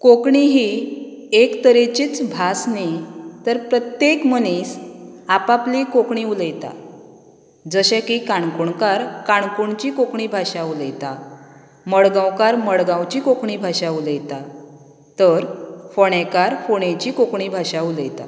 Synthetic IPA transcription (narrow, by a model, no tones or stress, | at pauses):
kokɳiɦi | ekt̪əɾet͡ɕiːt͡sbʱasnit̪əɾpɾət̪jekmənisapaplikokɳiuləjt̪a̰ | d͡zəɕekikaɳkuɳkaɾkaɳkuɳt͡ɕikokɳibʱaɕauləjt̪a | məɭɡãwkaɾməɽɡãwt͡ɕikokɳibʱaɕauləjt̪a | t̪əɾfoɳ̃ekaɾfoɳ̃ẽt͡ɕikokɳibʱaɕauləjt̪a